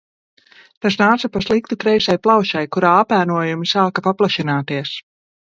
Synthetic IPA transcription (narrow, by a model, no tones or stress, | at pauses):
t̪as̬naːt̪sapaslˠik̚t̪ukɾɛjsajplˠawʃajkuɾaːapæːnuɔjumisaːkapaplˠaʃinaːt̪iɛs